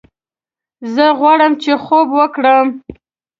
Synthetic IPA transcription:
zəɣwɑɽəmt͡ʃexobwəkɽəm

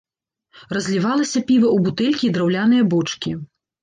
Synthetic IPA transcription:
rɐzʲlʲivalˠɐsʲɐpʲivɐubut̪ɛlʲkʲiːd̪ɾawlʲan̪ɨjɐbɔt͡ʂkʲi

